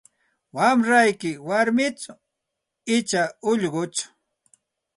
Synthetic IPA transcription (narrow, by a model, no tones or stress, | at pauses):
wamɾajkɪwaɾmɪt͡sʊ | ɪt͡ʃaʊʎɢʊt͡ʃʊ̥